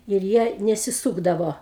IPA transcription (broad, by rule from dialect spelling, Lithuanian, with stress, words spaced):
ɪr ˈjiɛ nʲɛsʲɪˈsuːɡdɐʋoː